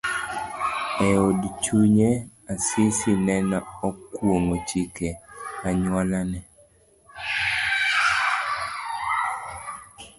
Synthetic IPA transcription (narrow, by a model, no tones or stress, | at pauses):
ɛodt͡ʃuɲe | asɪsinɛnaokwoŋot͡ʃikeaɲwalanɛ